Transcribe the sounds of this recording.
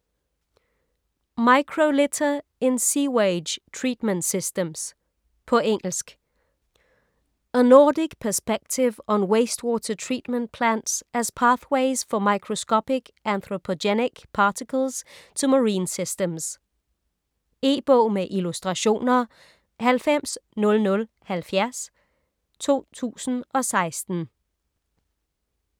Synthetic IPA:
mɑɪkʰʁolɪt͡sʰɐensiːweɪ̥d͡ʒtʰɹiːd̥məndsisd̥əms | pʰɔ̽eŋ̰l̩sɡ̥ | ənɔːdiɡ̥pʰæɐsb̥eɡ̥̚t͡sʰɪʋənweɪsd̥wɔːt͡sʰɐtʰɹḭːd̥mə̃n̚pʰlænd̥sʔæspʰɑːθweɪsfɒmɑɪkʰʁoskɒpiɡ̥ʔænθʁopʰodeniɡ̥pʰɑt͡sʰikʰəl̩st͡sʰuməʁiːnsisd̥əms | e̝̰ːb̥ɔ̰ːmeʔilusd̥ʁɑɕo̝̰ːnɐ | hælfem̰snɔ̽lnɔ̽l | hælfjæɐs | t͡sʰo̝̰ːt͡sʰṵːsn̩ɒ̽sɑ̈ɪsd̥n̩

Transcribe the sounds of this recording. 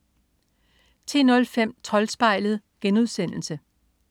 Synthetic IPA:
t͡sʰe̝̰ːnɔ̽lfem̰t͡sʰɒ̽lsb̥ɑ̈ɪlð̞̩ˠ | ɡ̥enuð̞ˠsen̰l̩sə

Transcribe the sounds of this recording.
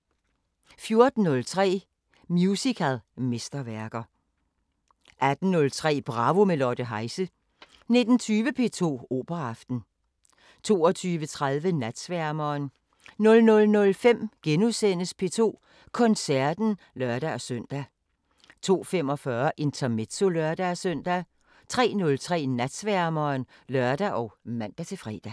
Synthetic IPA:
fjo̝ɐd̥n̩ːɔ̽lt͡sʰʁɛ̰ː | mjusikʰælˠme̝sd̥ɐʋæɐɡ̥ɐ | ʔæd̥n̩ːɔ̽lt͡sʰʁɛ̰ːb̥ʁɑ̈ːʋo̝melɒd̥əɦɑ̈ɪsə | ne̝d̥n̩t͡sʰyːʋəpʰe̝̰ːt͡sʰo̝̰ːo̝̰ːb̥ɐɑfd̥n̩ | t͡sʰo̝̰ːɒt͡sʰyːʋət͡sʰʁaðˠʋənæd̥sʋæɐmɐːn | nɔ̽lnɔ̽lnɔ̽lfem̰ɡ̥enusen̰əspʰe̝̰ːt͡sʰo̝̰ː | kʰɒ̽nsæɐd̥n̩ | lɶɐd̥æɒ̽sœn̰d̥æ | t͡sʰo̝̰ːfem̰ɒ̽fɶɐʔe̝nt͡sʰɐmed̥so̝lɶɐd̥æsøn̰d̥æ | t͡sʰʁɛ̰ːnɔ̽lt͡sʰʁɛ̰ːnæd̥sʋæɐmɐnlœɐd̥æʔɒʊmæn̰d̥æt͡sʰe̝fʁɛ̰ːd̥æ

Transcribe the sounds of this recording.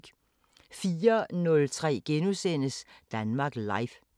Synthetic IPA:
ɡ̥ | fiːɐnɔ̽lt͡sʰʁɛ̰ːɡ̥enusen̰əsd̥ænmɑ̈ɡ̥lɑ̈ɪf

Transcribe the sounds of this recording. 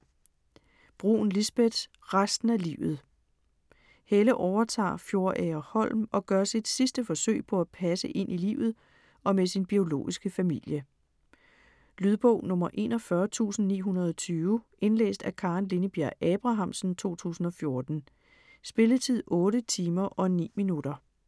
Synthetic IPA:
b̥ʁṵːn̩lisb̥ed̥ | ʁasd̥n̩ælḭːʊð̩ˠ | heləʔɒʊɐt͡sʰɑ̰̈ːfjo̝ɐʔɛːɐhɒ̽l̰mɒ̽ɡ̥ɶɐsid̥sisd̥əfɒ̽sø̰ɪ̰pʰɒ̽æpʰæsəʔe̝n̰ʔilḭːʊð̞̩ˠ | ɒ̽mesinb̥io̝lo̝̰ːisɡ̥əfæmil̰jə | lyð̞ˠb̥ɔʊ̰nɔ̽mɐʔe̝̰ːnɒfɶːɐt͡sʰṵːsn̩nḭːɦunɐð̞̩ˠɒt͡sʰyːʋəʔe̝nlḛːsd̥ækʰɑ̈nlenəb̥iæɐ̰ɛb̥ʁɑ̈ɦɑ̈m̰sn̩t͡sʰo̝̰ːt͡sʰṵːsn̩ɒ̽fjo̝ɐd̥n̩ | sb̥e̝ləðt͡sʰið̰ˠɔ̽ːɾət͡sʰiːmɐʔɒ̽nḭːminuɾ̥ɐ

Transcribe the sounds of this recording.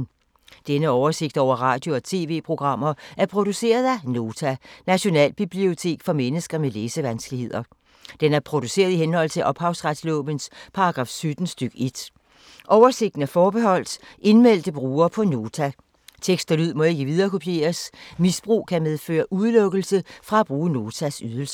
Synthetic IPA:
d̥enəɒʊɐse̝ɡ̥̚d̥ɒʊ̰ɐʁɑ̈ːd̥jo̝ɒ̽t͡sʰe̝ːʋe̝̰ːpʰʁo̝ɡ̥ʁɑ̈m̰ɐʔæɐpʰʁo̝d̥use̝̰ːɐðˠæno̝ːt͡sʰænæɕo̝nɛ̰ːlb̥ib̥lio̝t͡sʰe̝̰ːɡ̥fɒ̽menəsɡ̥ɐmeleːsəʋænsɡ̥lihe̝ð̞̰ˠɐ | d̥enæɐpʰʁo̝d̥use̝̰ːɐð̞ˠihenhɒ̽l̰t͡sʰe̝ʔɒ̽b̥hɑ̈ʊsʁad̥slɔ̰ːb̥ənspʰɑ̈ɑɡ̥ʁɑ̈ːfsød̥n̩sd̥yɡ̥əe̝d̥ | ʔɒʊɐse̝ɡ̥d̥n̩æɐfɒːb̥eɦɒ̽l̰d̥e̝nmel̰d̥əb̥ʁuːɐːpʰɒ̽no̝ːt͡sʰæ | t͡sʰeɡ̥sd̥ɐlyð̞̰ˠmɒ̽e̝ɡ̥əʋið̞ˠɐːkʰo̝pʰje̝̰ːɐsmisb̥ʁṵːkʰæmeð̞ˠfø̰ːɐʔuðˠlɔ̽ɡ̥əl̩səfʁɑ̈æb̥ʁuːəno̝ːt͡sʰæsyð̞ˠəl̩sə̥

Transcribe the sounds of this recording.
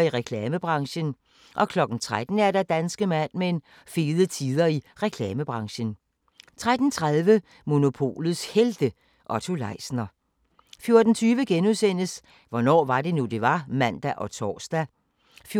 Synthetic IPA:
iʁɛkʰlɛːməb̥ʁɑ̈ŋɕən | ʔɒ̽kʰlɒ̽ɡ̥n̩t͡sʰʁad̥n̩æɐɾ̥æd̥ænsɡ̥əmæn̰meen | fe̝ːðˠət͡sʰiːð̞ˠɐiʁɛkʰlɛːməb̥ʁɑ̈ŋɕən | t͡sʰʁad̥n̩t͡sʰʁaðˠʋə | mo̝no̝pʰo̝̰ːlð̩ˠsheld̥ə | ʔɒ̽t͡sʰolɑ̈ɪ̰snɐ | fjo̝ɐd̥n̩t͡sʰyːʋəɡ̥enuðˠsen̰əs | ʋɒnɒ̰ːʋɑ̈d̥e̝nud̥e̝ʋɑ̈mæn̰d̥æʔɒ̽t͡sʰɒ̰ːsd̥æ | fj

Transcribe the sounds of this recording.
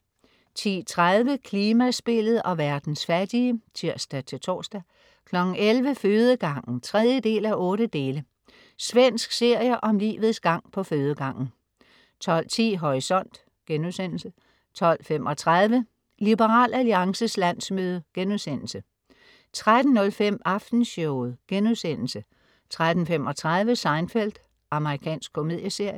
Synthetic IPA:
t͡sʰḭːt͡sʰʁaðˠʋəkʰliːmæsb̥e̝lð̞̩ˠɒ̽ʋæɐd̥n̩sfæd̥iət͡sʰiɐ̰sd̥æt͡sʰe̝lt͡sʰɒ̰ːsd̥æ | kʰlɒ̽ɡ̥n̩elʋəføːð̞ˠəɡ̥ɑ̈ŋ̰n̩t͡sʰʁɛð̞ˠjəd̥e̝̰ːlæʔɔ̽ːɾ̥əd̥e̝ːlə | sʋen̰sɡ̥se̝ɐ̰jəʔɒ̽mlḭːʋð̩ˠsɡ̥ɑ̈ŋ̰pʰɒ̽føːð̞ˠəɡ̥ɑ̈ŋ̰n̩ | t͡sʰɒ̽l̰t͡sʰḭːɦɒʁisɒ̽n̰d̥ | ɡ̥enusen̰l̩sə | t͡sʰɒ̽l̰fem̰ʔɒ̽t͡sʰʁað̞ˠʋə | lib̥əʁɑ̰̈ːlæliɑ̈ŋsəslæn̰smøːð̞ˠəɡ̥enuðˠsen̰l̩sə | t͡sʰʁad̥n̩ːɔ̽lfem̰ɑ̈fd̥n̩sɔʊð̩ˠɡ̥enuðˠsen̰l̩sə | t͡sʰʁad̥n̩fem̰ɒ̽t͡sʰʁað̞ˠʋəsɑ̈ɪnfel̰d̥ | ʔɑ̈məʁikʰɛ̰ːnsɡ̥̚kʰːo̝me̝ð̞̰ˠjəse̝ɐ̰jə

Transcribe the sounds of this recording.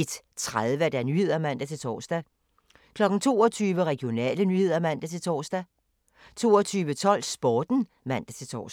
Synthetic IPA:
ed̥ | t͡sʰʁaðˠʋəd̥ænyhe̝ð̞̰ˠɐmæn̰d̥æt͡sʰe̝lt͡sʰɒːsd̥æ | kʰlɒ̽ɡ̥n̩t͡sʰo̝̰ːɒt͡sʰyːʋəʁɛɡ̥ijo̝nɛ̰ːlənyhe̝ð̞̰ˠɐmæn̰d̥æt͡sʰe̝lt͡sʰɒːsd̥æ | t͡sʰo̝̰ːɒt͡sʰyːʋət͡sʰɒ̽l̰sb̥ɒːd̥n̩ | mæn̰d̥æt͡sʰe̝lt͡sʰɒ̰ːs

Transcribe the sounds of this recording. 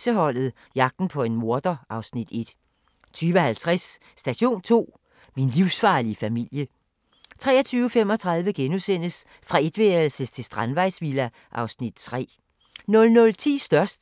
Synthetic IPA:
səɦɒ̽l̰ð̞̩ˠ | jɑ̈ɡ̥̚d̥n̩pʰɒ̽e̝nmo̝ɐd̥ɐʔɑ̈ʊsnid̥e̝d̥ | t͡sʰyːʋəhælt͡sʰʁasː | d̥æɕo̝̰ːnt͡sʰo̝̰ː | minliʊsfɑ̈ːliəfæmil̰jə | t͡sʰʁɛ̰ːɐt͡sʰyːʊəfem̰ɒ̽t͡sʰʁɑ̈ð̞ˠʋəɡ̥enusen̰əs | fʁɑ̈e̝d̥ʋel̩səst͡sʰe̝sd̥ʁɑ̈nʋɑ̈ɪ̰sʋilæ | ʔɑ̈ʊsnid̥t͡sʰʁɛ̰ː | nɔ̽lnɔ̽lt͡sʰḭːsd̥ɶɐsd̥

